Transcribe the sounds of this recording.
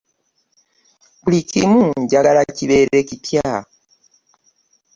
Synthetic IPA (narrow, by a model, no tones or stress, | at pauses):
bulicimuɲɟaɡalaciβe̞ɾe̞cipjaː